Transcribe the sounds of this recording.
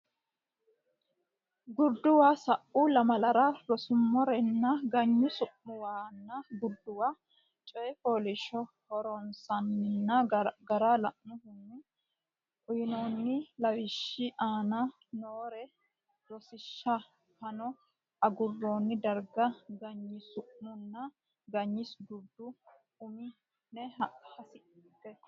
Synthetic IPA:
ɡʊɾd̪ʊwaːsɐʔːulɐmɐlɐɾɐɾɔsʊmːɔɾɛnːɐɡɐɲːʊsʊʔːʊwaːnːɐɡʊɾd̪ːʊwaː | t͡ʃʼɔjɛpoːlɪʃɔ | hɔɾɔnsɐnːɪnːɐɡɐɾaːlɐʔnʊhʊnːɪ | ʔʊjɪnonːɪlɐwɪʃːɪʔaːnɐ | noːɾɛ | ɾɔsɪʃːɐ | hɐnɔ | ɐɡʊrːoːnːɪd̪ɐɾɡɐɡɐɲːɪsʊʔmːʊnːɐ | ɡɐɲːɪsɡʊd̪ːʊ | ʊmɪ | nɛhɐsɪɡɛ

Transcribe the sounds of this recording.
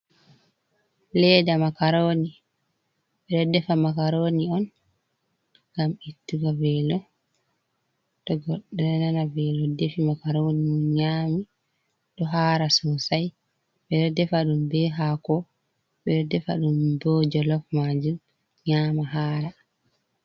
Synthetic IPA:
lɛːdamakaɾoːni | ɓɛɗɔdɛfamakaɾoniɔn | ɡamitːuɡavɛlɔ | ɗɔɡɔɗanananavɛlɔdefimakaɾoniɲaːmi | ɗɔɦaːɾasɔsaj | ɓɛɗɔdɛfaɗumbɛɦakɔ | ɓɛɗɔdɛfa̰ɗumbɔːd͡ʒɔlɔfmad͡ʒum | ɲaːmaɦaːɾa

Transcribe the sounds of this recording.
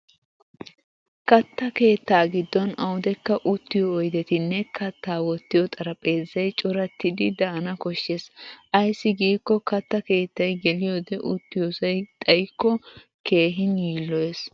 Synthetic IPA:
kɐt̪ːɐke̞ːt̪ːaːɡɪd̪ːɔnɐwʊd̪ɛkːɐʔʊt̪ːɪjɔːjd̪ɛt̪ɪnːɛkʰɐt̪ːaːwɔt̪ːɪjɔt̪ʼɐɾɐpʼe̞ːzːɐjt͡ʃʼɔɾɐt̪ːɪd̪ɪd̪ɐɐnɐkɔʃːesʔɐjsːɪɡiːkːɔkɐt̪ːɐke̞ːt̪ːɐjɡɛlɪjoːd̪ɛʔʊt̪ːɪjosɐjt̪ʼɐjkːɔ | ke̞ːɦɪnjiːlːɔjes

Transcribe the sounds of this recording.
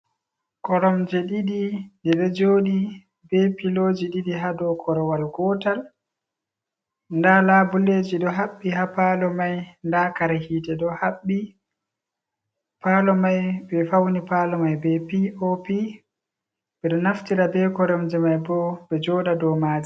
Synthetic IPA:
kɔɾɔmd͡ʒɛɗiɗiɗɛɗɔd͡ʒoːɗi | bɛpiloːd͡ʒiɗiɗiɦadɔkʰɔɾɔwalɡɔtal | ndalabɔleːd͡ʒiɗɔɦaɓːiɦapalɔmajndakaɾhiːtɛɗɔhaɓːi | palɔmajɓɛfawnipalɔmajbɛpiʔɔpi | bɛɗɔnaftiɾabɛkɔɾɔmd͡ʒɛmajbɔbɛd͡ʒɔɗadɔmaːd͡ʒi

